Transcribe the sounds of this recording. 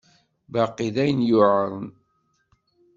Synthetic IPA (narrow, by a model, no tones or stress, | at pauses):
bɑqːiðæjənjʊʕɾˤən